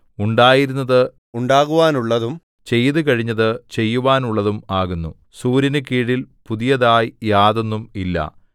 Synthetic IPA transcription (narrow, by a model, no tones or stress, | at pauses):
uɳɖaːjiɾunːɐðɨ | uɳɖaːɣuʋaːnuɭːɐðum | t͡ɕe̞jðɨkɐɻiɲːɐðɨt͡ɕe̞jːuʋaːnuɭːɐðumaːɣunːu | suːɾinɨkiːɽilpuðijɐðaːjjaːðo̞nːumilːɐ̰